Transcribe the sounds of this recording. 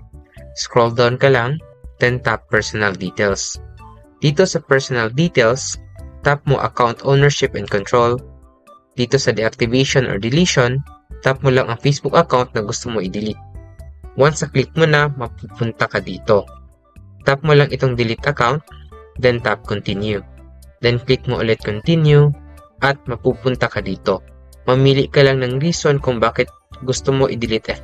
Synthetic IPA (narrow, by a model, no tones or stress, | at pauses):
skɹold̪awnkɐlaŋd̪̥ɛnt̪apːɛɹsɔnɐld̪iːt̪ɛls | d̪̥iːt̪o̞sɐpɛɹsonɐld̪iːt̪ɛlst̪ap̚mo̰ʔɐ̰kawnt̪ʔownɛɹʃɪpʔɛn̚kont̪ɹol | d̪̥iːt̪o̞sɐd̪ɛʔak̚t̪ɪveʃonʔo̰ɹd̪ɪliʃont̪ap̚molaŋʔɐŋfejsbʊk̚ɐkawnt̪̚nɐɡʊst̪omoʔɪd̪ɪlit̪̚wansɐklɪk̚monɐmɐpupʊnt̪ɐkɐd̪iːt̪o̞ | t̪ap̚molaŋʔɪt̪oŋd̪ɪlɪt̪ʔɐkawnt̪̚d̪ɛnt̪ap̚kont̪injud̪ɛnklɪk̚moʔʊlɛt̪̚kont̪injuʔɐt̪̚mɐpuːpʊnt̪ɐkɐd̪iːt̪o̞ | mɐmiːlɪʔkɐlaŋnɐŋɾiːsonkʊŋbaːkɪt̪̚ɡʊst̪omoʔɪd̪ɪlɪt̪ʔɛ